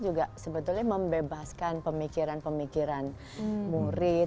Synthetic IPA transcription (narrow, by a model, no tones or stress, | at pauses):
d͡ʒuɡasəbət̪ʊlɲaməmbebaskanpəmikiɾanpəmikiɾan | muɾɪ